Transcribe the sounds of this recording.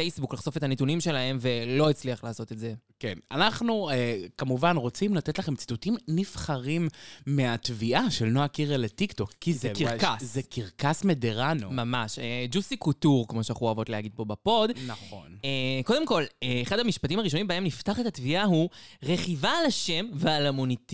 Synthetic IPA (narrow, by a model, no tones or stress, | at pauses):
fejsbuklaχso̞fe̞t̪anet̪unimʃe̞laɦe̞mve̞lo̞it͡sliaχlaːso̞t̪etze̞ | kena̰naχnuekamuvanʁo̞t͡simlat̪et̪laχe̞mt͡st̪utimnifχaʁimːeat̪viʔaʃelnoakiʁeletikt̪o̞kːizkikazekiʁkasmedeʁanomamaʃed͡ʒusikutuʁkmo̞ʃeaχuavo̞t̪lehaɡid̪̚po̞bapo̞d̪naχo̞̰neko̞d̪e̞mko̞leːχadhamiʃpatimaʁiʃ̬o̞nimbae̞mniftaχet̪atviaɦuʁe̞χivaːlaʃe̞mvealamuniti